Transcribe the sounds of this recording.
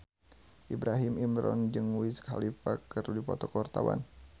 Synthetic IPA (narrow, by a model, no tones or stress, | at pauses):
ʔibɾʔaɦimimɾɔnd͡ʒɨŋwiskhalifakːəɾudipɔt̪ɔkɔrt̪awa̰n